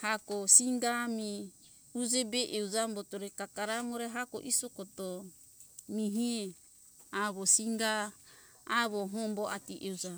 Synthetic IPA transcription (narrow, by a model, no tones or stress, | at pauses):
hakosiŋɡami | ud͡ʒebeʔeud͡ʒambotoɾekakaɾaŋoɾeɦako̰ʔisokot̪o | miɦie | aβosiŋɡaː | βoɦomboʔat̪iʔeud͡ʒa